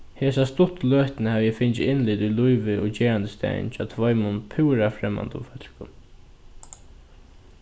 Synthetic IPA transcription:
heːsast̪ʊt̪løːht̪nəhaʋjɛfɪnt͡ʃɪ̰ɪnlɪt̪ulujʋɪʔɔt͡ɕeːɹant̪ə̥st̪ɛ̰nt͡ʃʰɔ̰ːt̪ʰvɔjmʊnpʰɪwɾafɾɛmːa̰nt̪ʊ̰mfœt̪kʊm

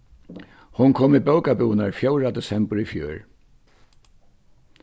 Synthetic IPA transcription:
hʊnkʰɔːmibœwkabuːnaɹfjoʊɾad̪ɛsɛmpʊɹifjø̰ːɹ

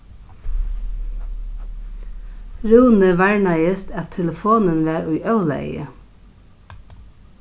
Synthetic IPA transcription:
ɾʉːnəʋæɹɳæɪəst̪æt̪ʰɛləfoːnənʋæːɾʊʏʔœʊlæ̰ɪə̰

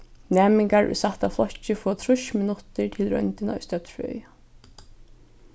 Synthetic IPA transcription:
nɛːmɪŋkaɹʔʊ̰jsaht̪aflɔht͡ʃːɪfɔːt̪ʰɾʊʃmɪnʊt̪ɪɹt̪ʰɪlɾœ̰jnt̪ɪnɔ̰jst̪œt̪fœ̰ːj

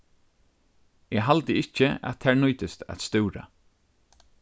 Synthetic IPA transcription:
ɛɦalt̪əɪt͡ʃːəa̰tt̪ʰɛːɹnɔːt̪əst̪æ̰t̪st̪ʏwɾa̰

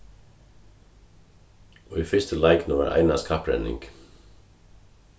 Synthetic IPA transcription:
ʔoːiːfʏst̪əlæɪknɔʋæ̰ɾʔæ̰ɪnɑskʰɑpɾɛ̰nɪ̰ŋɡ̥

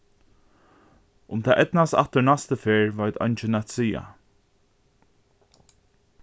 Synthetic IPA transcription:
ʊmt̪ʰaːʔɛt̪nast̪a̰ht̪əɹnast̪əfeːɹvajt̪ʰɔ̰jnt͡ʃɪnæt̪siːa̰

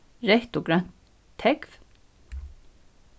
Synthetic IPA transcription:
ɾɛht̪ɔɡɾan̥t̪ʰː | ɛkv̥

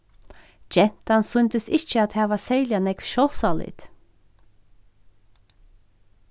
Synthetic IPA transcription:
d͡ʒɛn̥t̪ansʏnt̪əsɪt͡ʃːəat̪hæːʋasɛːljanɛkʋʃɔwsalɪ̰t̪

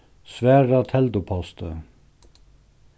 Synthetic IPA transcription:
sʋæːɹɑt̪ʰɛld̪ʊpʰɑst̪ʰə

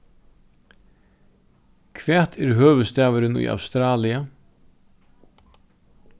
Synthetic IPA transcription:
kʰvɛːt̪ʰɛɾɦøːvʏst̪aːvɪɾɪnṵja̰wst̪ɾaːlia

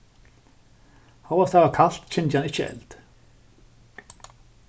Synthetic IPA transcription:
hawḁt̪ʰavakʰal̥t̪t͡ɕʰɪnt̪hanɪht͡ɕːəɛ̰lt̪

